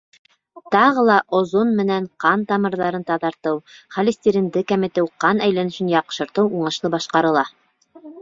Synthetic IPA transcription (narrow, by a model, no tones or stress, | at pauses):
t̪ɑʁɤlˠɑʔŏzonmɘ̆næɴqɑnt̪ɑmɤ̆ɾðɑɾɤnt̪ɑðɑɾt̪ɤwχɑlʲisʲt̪ʲiɾʲind̪ɘkæmɘ̆t̪ɘwqɑnæjlænɘ̆ʃɘnjɑqʃɤ̆ɾt̪ɤwuɴɤ̆ʃlˠɤbɑʃqɑɾɤ̆lˠɑ